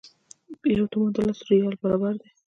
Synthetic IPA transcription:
jawt̪umod̪əlasɾijɑlbaɾɑbaɾd̪e

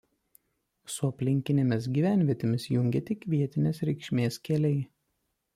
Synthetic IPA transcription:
sʊɐpʲlʲɪŋʲkʲɪnʲemʲɪs̬ɡʲiːʋʲæˑnʲʋʲiɛt̪ʲɪmʲɪsjʊŋʲɡʲet̪ʲɪkːʋʲiɛt̪ʲɪnʲeːsɾʲɛɪkʃʲmʲeːskʲɛlʲɛɪ

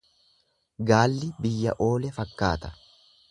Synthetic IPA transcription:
ɡaːlːɪbɪjːɐ̰ʔo̞ːlɛfɐkːaːt̪ɐ̥

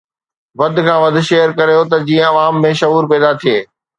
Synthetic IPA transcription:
ʋɐd̪ʱkʰãːʋɐd̪ʱʃeːjəɾkɐɾijot̪ɐd͡ʑĩːə̃ɐʋaːmːẽʃɐɦuːɾpɛːd̪at̪ʰijeː

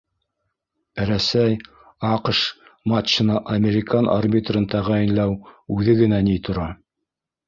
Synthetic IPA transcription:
ɾæsæj | ɑqʃmɑt͡ɕːɤ̆nɑʔɐmʲeɾʲɪkɑnʔarbʲit̪rɤnt̪æʁæjɘ̆nlæwʉðɘɡɘ̆nænit̪ʰŏɾɑ

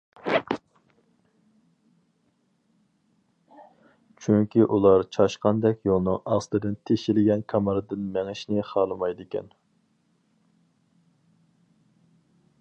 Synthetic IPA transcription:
t͡ʃʰyŋkʲiʔulˠɑɾt͡ʃʰɑʃqɑnd̪ɛkʲjolˠnɨŋɑst̪ɨd̪ɨnt̪ʰeʃɪlɪɡʲɛnkʰɑmɑɾɨd̪ɨnmɛŋɪʃnɪχɑːlˠɨmɑjd̪ɪkʲɛ̰n

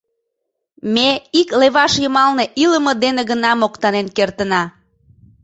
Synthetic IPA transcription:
meikleβɑʃjəmɑlneʔiləməd̪eneɣənɑmokt̪ɑnenkert̪ənɑ

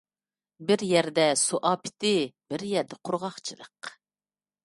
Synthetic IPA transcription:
bɪɾjɛɾd̪ɛsuʔɑːpʰɪ̥t̪ɪbɪɾjɛɾd̪ɛqʰʊɾʁɑχt͡ʃʰɨlˠə̰q

